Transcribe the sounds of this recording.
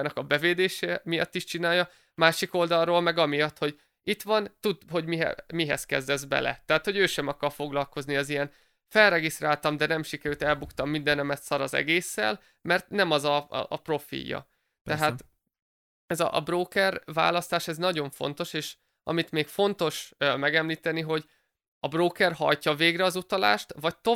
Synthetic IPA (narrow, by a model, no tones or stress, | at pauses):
nɒkɒbɛveːd̪eːʃɛmijɒ̰t̪ːiʃt͡ʃinaːjːɒ | maːʃiko̞ld̪ɒrːoːlmɛɡɒmijɒt̪ho̞ɟ | it̪ʋɒnt̪ud̪ɦo̞ɟmiɦɛ̰miɦɛ̰skɛ̰zd̪ɛzbɛ̰lɛ̰t̪ɛɦaːt̪ho̞ɟøːʃɛmɒkːɒrfo̞ɡlɒlko̞zniɒzijɛn | fɛlːɛɡist̪raːlt̪ɒmd̪ɛnɛmʃikɛɾylːt̪ɛlbukt̪ɒmːind̪ɛnɛmɛt̪sɒɾɒzɛ̰ɡeːsːɛ̰l | mɛrt̪nɛmɒzɒ̰ːpro̞fḭjːɒ̰ | t̪ɛɦaːt̪ | ɛzɒ̰ʔɒ̰broːkɛrva̰ːlɒst̪aːʃɛznɒɟo̞ɱfo̞̰nt̪o̞ʃeːʃ | ʔɒ̰mit̪meːkfo̞nt̪o̞ʃmɛɡɛmliːt̪ɛniɦo̞ɟ | ɒbroːkɛrhɒ̰jcɒveːɡrɛɒzut̪ɒla̰ːʃt̪vɒc̚t̪o